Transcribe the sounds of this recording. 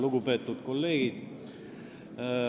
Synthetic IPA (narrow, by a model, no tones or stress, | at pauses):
luɡupe̞ːt̪ːˑut̪ko̞lːe̞ːɡ̥id̪̥